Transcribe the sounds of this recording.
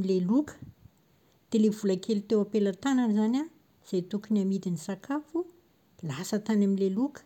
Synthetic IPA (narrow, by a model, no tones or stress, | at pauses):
ilelukə̥ | t̪elevulakelit̪ewapelat̪ananizanʲa | z̥ajt̪ukuniamid̪inisakafu | lasət̪anamilelukə̥